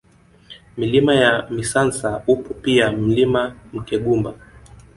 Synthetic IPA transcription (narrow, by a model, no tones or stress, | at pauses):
milimajamisansaupɔpiam̩limam̩kɛɠumba